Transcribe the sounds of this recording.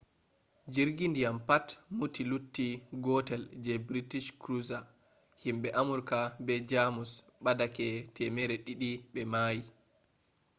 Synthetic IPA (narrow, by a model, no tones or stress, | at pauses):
d͡ʒiɾɡindijampatmutilutːiɡɔtɛld͡ʒɛbɾitiʃkɾuza | himɓɛʔamuɾkabɛd͡ʒamusɓadakɛtʰɛmɛɾɛɗiɗiɓɛmaːji